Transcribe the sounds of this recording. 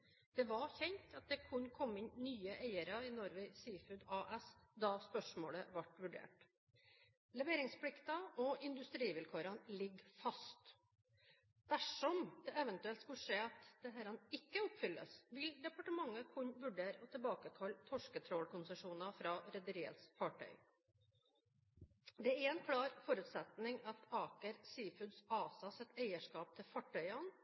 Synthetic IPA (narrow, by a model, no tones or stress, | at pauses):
d̪̥ɛʋɑçɛnt̪ʰɑt̪̚d̪ɛkʰʉnkʰɔmːɪnnyːəʔæɪəɾɑɪnɔɾʋɪsiːfʉːd̪ɑːʔɛsd̪ɑspœʂmo̰ːləʋɑʈʋʉɖḛːʈ | lɛʋeːɾɪŋspʰlɪkt̪ɑɔɪnd̪ʉst̪ɾiːʋɪlkʰøːɾɑnlɪɡːfɑst̪ | d̪̥æʂɔmd̪̥ɛɛʋənt̪ʉɛlt̪skʉlʂeːɑt̪d̪̥ɛɦæːɾɑnɪkːəɔpfʏlːə̰sʋɪld̪ɛpɑʈəmɑŋːəkʰʊɲnʋʉɖeːɾɔt̪ʰɪlbɑːkəkʰɑlt̪ʰɔʂkət̪ʰɾɔlkʰʊnsəʂuːnɑfɾɑːɾɛd̪əɾiːə̰t̪sfɑʈʰœ̰ʏ | d̪ɛæɾɛnkʰlɑːɾfɔɾʉt̪sɛt̪nɪŋɑt̪ɑːkəɾsiːfʉd̪sɑːsɑsɛt̪ːæɪəʂkɑːp̚t̪ʰɪlfɑʈʰːœʏɑn